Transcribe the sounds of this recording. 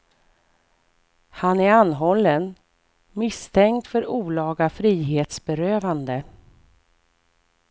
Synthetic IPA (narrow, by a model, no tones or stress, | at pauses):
hanæɾanːɦɔlːən | mɪst̪ʰɛŋkt̪fœɾuːlɑːɡafɾiːɦeːt̪sbɛɾøːvand̪ə